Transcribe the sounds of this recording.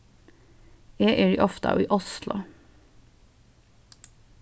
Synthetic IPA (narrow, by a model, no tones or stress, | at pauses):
eːʔeːɖḭːʔɔft̪ɑ̰ːiːʔɔslʊ̰